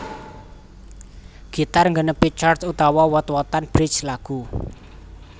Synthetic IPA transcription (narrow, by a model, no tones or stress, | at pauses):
ɡ̥i̤t̪arŋɡənəpit͡ʃartut̪awɔwɔt̪wɔt̪anb̥ɾɪdt͡ʃlaɡ̥u